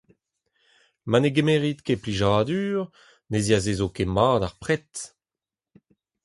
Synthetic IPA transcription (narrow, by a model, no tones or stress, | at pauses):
maneɡemeʁit̪kepliʒaːdyːʁ | nezjazezokemaːdaʁpʁɛt